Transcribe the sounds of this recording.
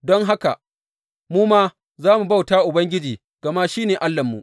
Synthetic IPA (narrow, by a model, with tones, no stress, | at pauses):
dɔ˦ŋɦa˦ka̰˨ | muː˦maː˦ | zaː˦mu˨ba˦˨wtaː˦ʔʊ˨bɐ˦ŋɡʲɪ˦d͡ʒiː˨ | ɡ̥ɐ˨ma˦ʃiː˦neː˨ʔa˦lːɐ˨mːṵ˨ʔ